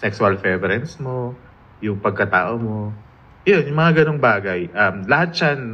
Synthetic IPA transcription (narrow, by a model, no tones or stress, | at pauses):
sɛksʊɐlfɛbɛɾɛnsmo̞ | jʊŋpɐɡ̚kɐt̪a̰ːʔo̞mo̞ | jonjʊŋmɐŋaɡɐnoŋbaːɡɐjʔɐmlɐhat̪̚t͡ʃan